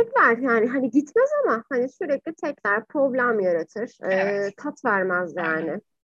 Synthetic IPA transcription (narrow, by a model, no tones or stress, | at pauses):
ɛclʲæɾjaːnɪɦanɪɟit̪mɛzamahanɪsyɾɛc̚lʲit̪ʰɛclʲæɾpɾo̞blʲæmjaɾat̪ʰɯɾ̥ɯːkʰat̪væɾmazjaːnɪ